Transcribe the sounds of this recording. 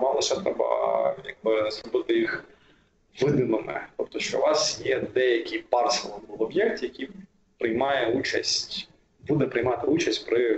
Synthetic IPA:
mɑlˠɔʃɛt̪ɾɛbɐ̰ja̰ɡ̚bɪzɾɔbɪt̪ɪjix | ʋɪd̪ɪmɪmɛ̰t̪ɔpt̪ɔʃt͡ʃɔ̰ʊʋɑsjɛd̪ɛjɐkʲɪjpɑrsɛlˠɔbulˠɔbjɛkt̪jɐkʲij | pɾɪjmɑjɛut͡ʃɐ̰sʲtʲ | bud̪ɛpɾɪjmɑt̪ɪut͡ʃɐsʲtʲpɾɪ

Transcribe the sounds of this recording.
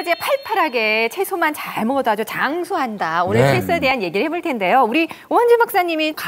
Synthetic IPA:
d͡ʑepʰaɭpʰaɾɦaɡe̞t͡ɕʰe̞sʰomant͡ɕaɭmodoɦad͡ʑot͡ɕaŋsʰoɦandaonɯɭsʰes͈ɯede̞ɦanje̞ɡiɾɯɭhe̞boɭtʰe̞nde̞jouɾiʌnd͡ʑimak̚s͈aɲimik

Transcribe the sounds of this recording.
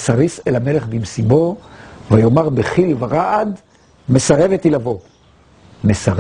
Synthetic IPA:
saʁiselamele̞χbimsibo̞vajo̞maʁbeχilvaʁaʔad̪ | mesaʁe̞vet̪ilavo̞ | mesaʁ

